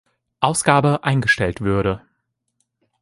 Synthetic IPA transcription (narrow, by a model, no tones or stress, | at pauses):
ʔaʊsɡ̥aːbəʔaɪnɡəʃtɛltv̥ʏɐɾə